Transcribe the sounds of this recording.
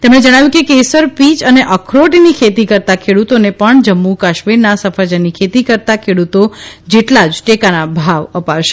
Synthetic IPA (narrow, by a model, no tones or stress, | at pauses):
t̪emɽ̃ed͡ʒəɽ̃aʋjũkekesəɾpit͡ʃəneʔəkʰɾoʈinikʰet̪ikəɾt̪akʰeɽut̪onepəɳd͡ʒəmːukaʃmiɾnasəfad͡ʒənikʰet̪ikəɾt̪akʰeɽut̪od͡ʒeʈlad͡ʒʈekanabʱaʋəpaʋʃe